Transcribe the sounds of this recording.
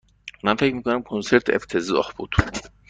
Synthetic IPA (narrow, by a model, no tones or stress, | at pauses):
mænfecʰmiːkonæmkʰonseɾt̪ʰḛft̪ʰeziɒ̰hb̥ṵd̪̥